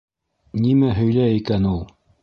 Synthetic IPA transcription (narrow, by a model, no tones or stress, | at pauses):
nʲimæɦɵ̆jlæjikænulˠ